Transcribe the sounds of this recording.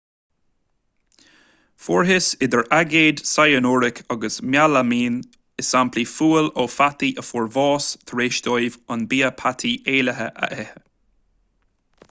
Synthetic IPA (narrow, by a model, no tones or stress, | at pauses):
fɔːɹɦɪsɪd̪əɹaɡeːd̪sajənoːɹɪkʰɔɡəsmjalamiːn | ɪsampʰlifuːloːfat̪iʔəfɔɹvɑːst̪ʰəɹeːʃd̪ɔjvɔnbiːəpʰat̪ʰieːləɦəʔə̰ʔɛhə